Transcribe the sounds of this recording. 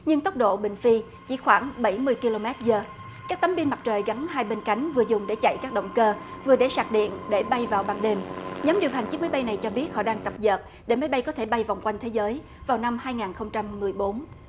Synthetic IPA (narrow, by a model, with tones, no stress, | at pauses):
ɲɨ˧ŋt̪ə˦˥k͡p̚ɗo̰˧˨ɓï˨˩ŋ̟fi˧ | t͡ɕi˧˩xwaː˧˩ŋɓə˧˩jmɨ˧əjki˧lo˧mɛ˦˥t̚zəː˨˩ | kaː˦˥k̚t̪ə˨˦mɓi˧nma˨˩t͡ɕəː˨˩jɣa˨˦nhaː˧jɓe˧nka˨˦jŋ̟vɨ˨˩əzʊ˨˩ŋ͡mɗe˧˩t͡ɕa̰˧˨jkaː˦˥k̚ɗə̰˧˨wŋ͡mkəː˧vɨ˨˩əɗe˧˩saː˨˩k̚ɗḭ˧˨ənɗe˧˩ɓa˧jvaː˨˩wɓaː˧˩nɗe˧˩mɲɔ˨˦mɗi˨˩əwɦa˨˩jŋ̟t͡ɕɨ˦˥k̚ma˨˦jɓa˧jna˨˩jt͡ɕɔ˧ɓi˦˥ət̚hɔ̰˧˨ɗaː˧ŋt̪ə˨˩p̚zə̰ː˨˩t̚ | ɗe˧˩ma˨˦jɓa˧jkɔ˨˦t̪ʰe˧˩ɓa˧jva˨˩wŋ͡mkwa˧jŋ̟t̪ʰe˨˦zəː˨˦j | vaː˨˩wna˧mhaː˧jŋaː˨˩nxə˧wŋ͡mt͡ɕa˧mːɨ˨˩əjɓo˨˦n